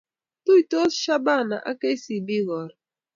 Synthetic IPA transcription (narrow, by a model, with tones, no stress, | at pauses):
tu˦i˨to˦ʃa˦ba˦˨na̰˨ʔa˦ke˦si˨bi˦ɣɔ˨ɾ